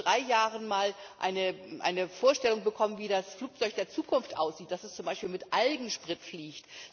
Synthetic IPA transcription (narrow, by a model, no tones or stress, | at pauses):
ʁaɪjaːʁənmaːlʔa̰ɪnəʔa̰ɪnəfoːɐʃtɛlʊŋbəkʰɔmənviːdasfluːk̚t͡sɔʏçd̥eːɐt͡suːkʰʊnftʔa̰ʊsz̥iːt̚d̥asɛst͡sʊmbaɪʃpiːlmɪtʔalɡŋ̩ʃpʁ̥ɪtfliːçt